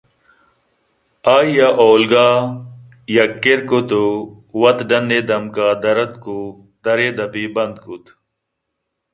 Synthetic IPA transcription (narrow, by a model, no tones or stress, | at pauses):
aːijaʔoːlɡaː | jɐkːeɾkot̪o | wɐt̪ɖɐnːeːd̪ɐmkaːd̪ɐɾɐt̪ku | d̪ɐɾeːd̪ɐpibɐnd̪kut̪